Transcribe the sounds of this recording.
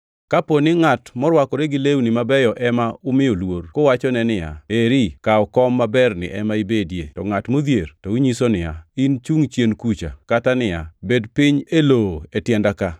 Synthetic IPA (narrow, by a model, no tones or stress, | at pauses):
kaponɪŋatmɔɾwakɔɾɛɡɪlewunɪmabɛjɔʔɛmaʊmɪjolworkɔwat͡ʃɔnɛnɪja̰eɾikaɔkɔmːabɛrnɪ̰ʔɛmaibedjḛtɔŋatmod̪jertɔuɲisonɪja̰int͡ʃuŋt͡ʃjenkut͡ʃa̰katanɪjabedpɪɲeloetjɛndaka